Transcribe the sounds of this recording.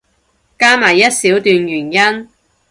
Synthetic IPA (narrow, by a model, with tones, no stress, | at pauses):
kaː˥maː˨˩jːɐ˥t̚siː˨˥wt̪yː˨˧njyː˨˩njɐ˥n